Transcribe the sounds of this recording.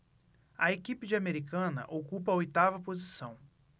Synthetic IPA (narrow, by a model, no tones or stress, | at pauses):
ɐekipɪd͡ʒɪameɾikɐ̃nɐ̰ʔokupɐojt̪avɐpozisɐ̃w̃